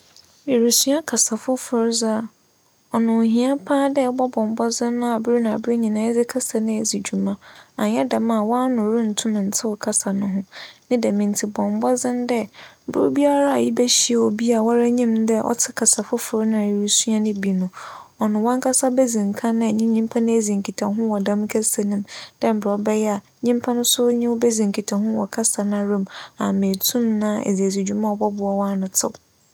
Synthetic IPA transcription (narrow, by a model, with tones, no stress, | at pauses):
e˨ɾu˨su˦a˦kʰa˨sa˨fʊ˦fʊ˦ɾza˦˨ | ɔ˨nʊ̃˨ɦĩ˨˦a˦pʰãː˦dɛ˦bɔ˦bɔ̃˨m˨bɔ˦zɪ̃˦nː˦ʊ̃˦a˨bʊ˦ɾi˦nã˨a˨bɾe˦ɲĩ˨nã˦ɛ˦d͡zɪ˦kʰa˦sa˨nɪ̃˦ɛ˨zi˨d͡ʑu˨mã˦a˨ɲɛ˦da˨mã˦˨wɔ˦nʊ̃˨ɾũ˦n̩˨tʰʊ̃˦m̃˨n̩˨tʰɪ˦wɔ˨kʰa˦sa˨nʊ̃˦ɦʊ̃˦nɪ̃˦dɛ˨mĩ˨n˨tʰi˨bɔ̃˨m˨bɔ˦zɪ̃˦ndɛ˦bʊ˦ɾʊ˦bi˦a˦ɾa˦a˨ji˦bæ˦ɕi˦e˨ɔ˨bi˦a˨wa˦ɾa˦ɲĩ˦m˦dɛ˦ʔɔ̰˦tʰɪ˦kʰa˨sa˨fʊ˦fʊ˨ɾnʊ̃˦˨ɾi˦su˦a˦nɪ̃˦bi˨nʊ̃˨ɔ˨nʊ̃˨wɔ̃˦ŋkʰa˦sa˦bɛ˦zĩ˨ŋ˨kʰã˦nʊ̃˦˨ɲĩ˦ɲĩ˦m˦pʰã˦nʊ̃˦e˨zĩ˨ŋkʰi˨tʰa˨ɦʊ̃˦wɔ˨dã˦m˦kʰɛ˦sa˨nɪ̃˨md̥ɛ˦m̩˨bɾɔ˦bɛ˦jɛ˦a˨ | ɲĩ˦m˦pʰã˦nʊ̃˦sʊ˦ɲɪ̃˦wʊ˦bɛ˦zĩ˨ŋkʰi˨tʰã˨hʊ̃˦wɔ̰˨kʰa˦sa˨ñ˦a˨ɾõ˦mã˨me˨tʰũ˦mnã˦ḛ˨zi˨æ˨zu˨d͡ʑᶣu˨mã˦ɔ˨bɔ˦bʊ˨ɔ˦wa˦nʊ̃˨tʰɪ̰˦